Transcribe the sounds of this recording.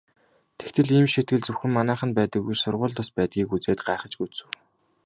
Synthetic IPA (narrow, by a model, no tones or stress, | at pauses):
t̪ʰe̥xt̪ʰɘ̆ɮiːmʃet̪ɡɘ̆ɮt͡sɵwxɘ̆mːanæːχə̆npæːt̪ə̆kːujsʊrʁʊːɮt̪ʊspæːt̪̚ɡʲiːkut͡seːt̪ɢaːχə̆t͡ɕɡut͡sɘ̆w